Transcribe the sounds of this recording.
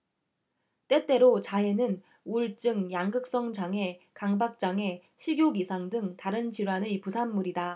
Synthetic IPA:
t͈e̞t͈e̞ɾot͡ɕae̞nɯn | uɭt͡ɕ͈ɯŋjaŋɡɯk̚s͈ʌŋd͡ʑaŋe̞ | kaŋbak̚t͡ɕ͈aŋe̞ | ɕʰiɡjoɡisʰaŋdɯŋtaɾɯnd͡ʑiɾwanɯpusʰanːuɾida

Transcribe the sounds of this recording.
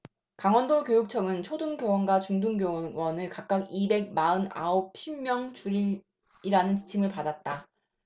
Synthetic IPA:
kaŋwʌndokjojuk̚t͡ɕʰʌɡɯnt͡ɕʰoduŋɡjowʌnɡwat͡ɕuŋduŋɡjowʌnɯɭkak̚k͈aɡibe̞ɡ̚maɯna̰op̚ɕʰimmjʌŋt͡ɕuɾi | iɾanɯnt͡ɕi̥t͡ɕʰimɯɭpadat̚t͈a

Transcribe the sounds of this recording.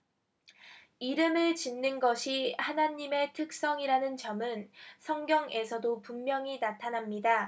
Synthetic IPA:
iɾɯmɯɭt͡ɕinːɯnɡʌɕʰihanaɲime̞tʰɯk̚s͈ʌŋiɾanɯnt͡ɕʌmɯnsʰʌŋɡjʌŋʔe̞sʰʌdopummjʌŋinatʰanamɲida

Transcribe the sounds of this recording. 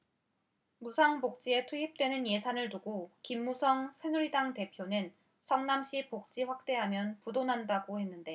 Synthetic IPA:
musʰaŋbok̚t͡ɕ͈ie̞tʰuɦip̚t͈we̞nɯnje̞sʰanɯɭtuɡokimːusʰʌŋsʰe̞nuɾidaŋte̞pʰjonɯn | sʰʌŋnamɕ͈ipok̚t͡ɕ͈iɸwak̚t͈e̞ɦamjʌnpudonɦandaɡohe̞nːɯnde̞

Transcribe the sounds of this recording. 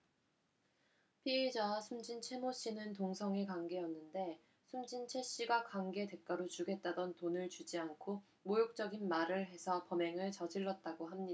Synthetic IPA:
pʰied͡ʑasʰumd͡ʑint͡ɕʰe̞moɕ͈inɯnt̬oŋsʰʌŋekaŋɡe̞jʌnːɯnde̞ | sʰumd͡ʑint͡ɕʰe̞ɕ͈iɡakaŋɡe̞te̞k͈̚aɾot͡ɕuɡe̞t̚t͈adʌntonɯɭt͡ɕud͡ʑiankʰo | mojok̚t͡ɕ͈ʌɡinmaɾɯɭɦe̞sʰʌpʌme̞ŋɯɭt͡ɕʌd͡ʑiɭːʌt̚t͈aɡoɦamɲia

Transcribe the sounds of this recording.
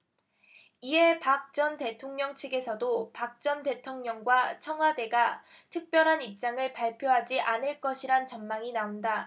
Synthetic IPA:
iɦe̞pak̚t͡ɕ͈ʌnte̞tʰoŋɲʌŋt͡ɕʰeɡe̞sʰʌdopak̚t͡ɕ͈ʌnte̞tʰoŋɲʌŋɡwat͡ɕʰʌŋɦwade̞ɡa | tʰɯk̚p͈jʌɾɦanip̚t͡ɕ͈aŋɯɭpaɭpʰjoɦad͡ʑiʔanɯɭk͈ʌɕʰiɾant͡ɕʌnmaŋinaonda

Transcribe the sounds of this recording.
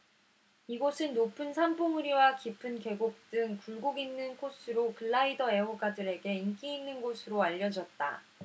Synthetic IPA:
iɡosʰɯnːopʰɯnsʰamboŋuɾiwakipʰɯnke̞ɡok̚t͈ɯŋkuɭɡoɡinːɯnkʰos͈ʰɯɾokɯɭːaidʌe̞woɡadɯɾe̞ɡe̞ink͈iinːɯnɡosʰɯɾoaʎːʌd͡ʑʌt̚t͈a̰

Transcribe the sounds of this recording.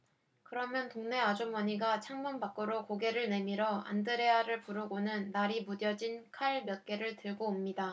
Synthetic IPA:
kɯɾʌmjʌntoŋne̞ad͡ʑomʌɲiɡat͡ɕʰaŋmʌnbak͈ɯɾokoɡe̞ɾɯɭne̞miɾʌa̰ndɯɾe̞aɾɯɭpuɾɯɡonɯnːaɾimudjʌd͡ʑinkʰaɭmjʌt̚k͈e̞ɾɯɭtɯɭɡoːmɲida

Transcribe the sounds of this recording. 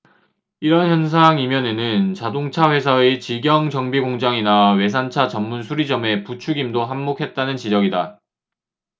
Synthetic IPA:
iɾʌnçjʌnsʰaŋimjʌne̞nɯnt͡ɕadoŋt͡ɕʰaɸwe̞sʰʌet͡ɕiɡjʌŋd͡ʑʌŋbiɡoŋd͡ʑaŋinawe̞s̬ʰant͡ɕʰat͡ɕʌmːunsʰuɾid͡ʑʌme̞put͡ɕʰuɡimdoɦamːokʰe̞t̚t͈anɯnt͡ɕid͡ʑʌɡida

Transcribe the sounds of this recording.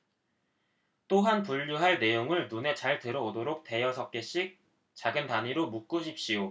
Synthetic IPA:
t͈oɦanpuʎːuɦaɭne̞joŋɯɭnune̞t͡ɕaɭtɯɾʌodoɾok̚t͈e̞jʌsʰʌk̚k͈eɕ͈ik̚ | t͡ɕaɡɯntaɲiɾomuk̚k͈uɕ̬ʰip̚ɕ͈ijo

